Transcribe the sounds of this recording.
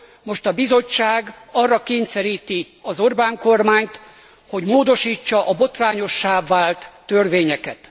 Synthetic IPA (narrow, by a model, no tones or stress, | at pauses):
mo̞ʃt̪ɒbizo̞t͡ʃːaːɡɒrːɒkeːɲt̪sɛɾiːt̪i | ɒzo̞rbaːŋko̞rmaːɲt̪ | ho̞ɟmoːd̪o̞ʃiːt͡ʃːɒʔɒbo̞t̪raːɲo̞ʃːaːvːaːlt̪ːørʋeːɲɛkɛt̪